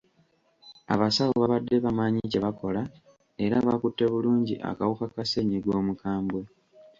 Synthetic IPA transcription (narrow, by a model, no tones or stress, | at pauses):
a̰βasaβoβaβadːe̞βamaːɲice̞βako̞la | e̞ɾaβakutːe̞βuluːɲɟiʔa̰kawukakase̞ɲiɡwo̞ːmukʰaːmbwe̞